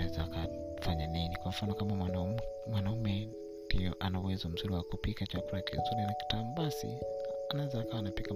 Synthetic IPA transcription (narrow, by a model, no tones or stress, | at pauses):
awɛzaːkafaɲaninikwam̩fanɔkamaamwanaumɛ | ndiɔ̰ʔanauwɛzɔm̩zuɾiwakupikat͡ʃakuɾakḭzuɾinaki̥tamubasḭanawɛzaːkawaːnapika